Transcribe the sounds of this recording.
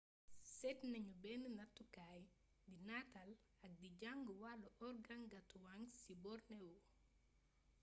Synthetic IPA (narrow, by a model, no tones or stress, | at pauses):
sɛtnaɲubɛnənatːukaj | dinatal | ak̚did͡ʒaŋɡuwalɔʔɔɾɡaŋɡatuwaŋsibɔɾnɛwɔ